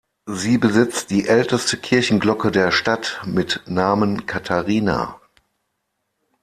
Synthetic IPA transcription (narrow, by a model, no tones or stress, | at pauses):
ziːbəzɪt͡std̥iːʔɛltəstəkʰɪɐçn̩ɡlɔkədeːɐʃtatmɪtnaːmənkʰatʰaʁiːna̰